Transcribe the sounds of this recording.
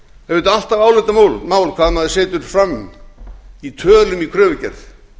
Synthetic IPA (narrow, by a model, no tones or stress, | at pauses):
ɛvʏnt̪al̥t̪avaːwlɪt̪amaːwlmaːwlkʰvaːmaðɪseːt̪ʏɾ̥fɾamː | it̪ʰœːlʏmikʰɾœːvʏcɛ̰ɾθ